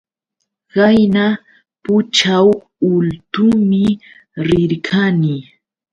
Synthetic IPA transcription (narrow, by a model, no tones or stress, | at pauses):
ɢajna | pʊt͡ʃaw | ʊlt̪ʊmɪ | ɾɪɾkʰanɪ